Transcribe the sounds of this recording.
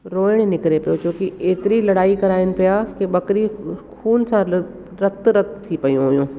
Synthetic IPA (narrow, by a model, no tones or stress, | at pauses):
ɾoːɪɽ̃nɪkɪɾepɐjot͡ɕoːkiʔeːt̪ɪɾilɐɽaːikɐɾaːɪnɪ̆pijakeɓɐkɪɾixuːnsã | ɾɐt̪ɾɐt̪t̪ʰːipɐijũɦʊjũː